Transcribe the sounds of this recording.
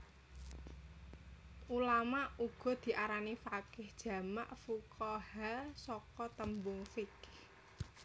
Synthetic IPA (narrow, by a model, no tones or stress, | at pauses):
ʔulamaʔuɡ̥ɔ̤d̪̥i̤ʔaɾanifakɪhd̥ʒ̥ä̤ma̰ʔfukʰahasɔkɔt̪əmbʊŋfɪk